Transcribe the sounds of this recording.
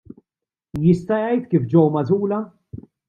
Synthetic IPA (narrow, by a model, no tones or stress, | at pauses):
jɪst̪ɐjɐjt̪kiːfd͡ʒɔwmɐt̪uːlɐ